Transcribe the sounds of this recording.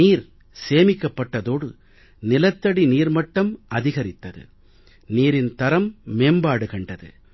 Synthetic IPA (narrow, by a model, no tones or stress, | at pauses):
iːɾ | seːmɪkːɐpːɐʈːɐðoːɽɯ | nɪlɐt̪ːɐɽiniːɾmɐʈːɐmɐðɪɣɐɾɪt̪ːɐðɯ̰ | niːɾɪnt̪ɐɾɐmːeːmbaːɽɯkɐɳɖɐðɯ̰